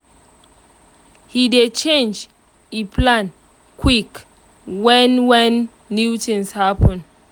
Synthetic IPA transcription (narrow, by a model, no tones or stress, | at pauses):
hidet͡ʃẽnd͡ʒ | ipʰlãn | kʰwik | wɛ̃nwɛ̃nː | utĩŋshapə̃n